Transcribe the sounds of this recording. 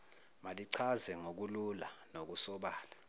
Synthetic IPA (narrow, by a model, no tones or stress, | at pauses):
maliǀʰazɛŋok̬ululanok̬usɔɓaːla